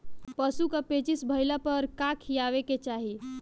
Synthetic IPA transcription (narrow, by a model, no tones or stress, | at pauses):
pəsukapet͡ʃisbʱəjlapəɾkakʰijaʋeket͡ʃaɦi